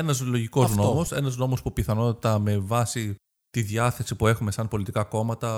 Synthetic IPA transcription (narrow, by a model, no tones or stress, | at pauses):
enɐzlo̞ʝiko̞znoomose̞nɐzno̞mospupiθɐno̞t̪it̪ɐme̞vɐsi | t̪iðjɐθe̞sipue̞xume̞sɐnpo̞lit̪ikɐko̞mɐt̪ɐ